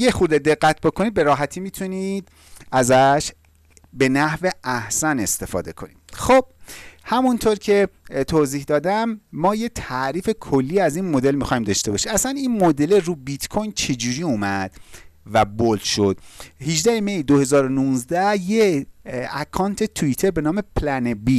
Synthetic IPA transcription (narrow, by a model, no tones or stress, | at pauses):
jexuɾd̪ed̪e̞ɣːæt̪̚ʰbo̞kʰo̞niːd̪̚be̞ɾɒːɦæt̪ʰiːmiːt̪ʰuniːd̪ | æzæʃ | be̞næhveʔæhsæne̞st̪e̞fɒ̰ːd̪e̞kʰo̞̰nḭd̥xob̥̚hæmunt̪ʰoɾcʰe̞t̪ʰoːziːhd̪ɒːd̪æmːɒːjet̪ʰæʔɾiːfe̞kʰo̞lːiːæzinmod̪e̞lmixɒːimd̪ɒʃt̪e̞bɒːʃiæsæniːnmod̪eleruːbit̪kʰojnt͡ʃʰe̞d͡ʒuːɾiːuːmæd̪̥væbolʃod̪̥hiʒd̪æhemejd̪ohe̞zɒːɾo̞nuːnzd̪æhje | ækʰɒːnt̪ʰet̪ʰuit̪ʰeɾbe̞nɒːme̞pʰlænebi